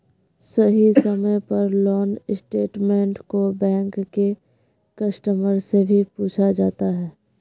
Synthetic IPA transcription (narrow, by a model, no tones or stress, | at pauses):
səɦisəməjpɐɾlɔːnɪsʈeːʈmẽːɳʈkobɛ̃ːŋkːe | kɐsʈəməɾsebʱipuːt͡ʃʰad͡ʒaːt̪aɦɛː